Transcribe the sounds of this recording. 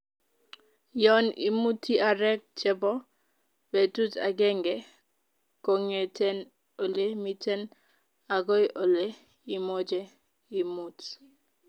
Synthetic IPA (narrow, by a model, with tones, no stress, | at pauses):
jɔnḭmu˦tia˨ɾɛ˦k̚t͡ʃɛ˦bɔ˦ | be˨tu˦ta̰˨ɡɛ˦ŋɡɛ | koŋetɛ˦n | o˨le˦mitɛ˦n | a˨ɡo˦jʔo˨le | i˨mod͡ʒe | i˨mut